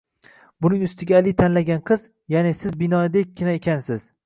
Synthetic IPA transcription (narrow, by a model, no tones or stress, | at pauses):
bʊnɪŋʊst̪ʰɪɡʲaːlɪt̪ʰanlaɡʲanqʰɨz | janɪsɪzbɪnɒd̪ek̚ʲʰːɪnaekʲʰansɪz̥